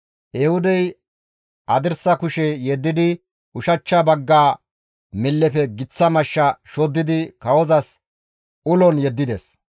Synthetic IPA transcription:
ʔɛhʊd̪ɛj | ʔɐd̪ɪɾsɐkʊʃɛjɛd̪ːɪd̪ɪ | ʊʃɐt͡ʃːɐbɐɡːaː | mɪlːɛpɛɡɪt͡sːɐmɐʃːɐʃɔd̪ːɪd̪ɪkɐwɔzɐs | ʊlɔnjɛd̪ːɪd̪es

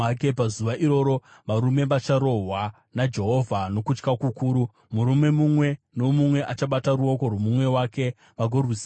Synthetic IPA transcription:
kepazuʋaʔiɾo̞ːɾo̞ʋaɾume̞ʋat͡ʃaɾo̞ɦwa | nad͡ʒe̞ɦo̞vʱano̞kut͡ʃkakukuːɾu | muɾume̞mumwe̞ | no̞mumwe̞ʔat͡ʃaɓataɾuo̞ko̞rwomumwe̞wake̞ | ʋaɡʱorus

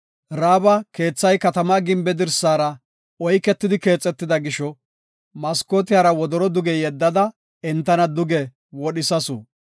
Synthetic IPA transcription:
ɾaːbɐke̞ːt͡sːɐjkɐt̪ɐmaːɡɪmbɛd̪ɪɾsaːɾɐ | ɔjkːɛt̪ːɪd̪ɪke̞ːt͡sʼːɛt̪ːɪd̪ɐɡɪʃɔ | mɐskoːt̪ɪjaːɾɐwɔd̪ɔɾɔd̪ʊɡɛjɛd̪ːɐd̪ɐ | ɛnt̪ːɐnɐd̪ʊɡɛ | wɔɗɪsɐsʊ

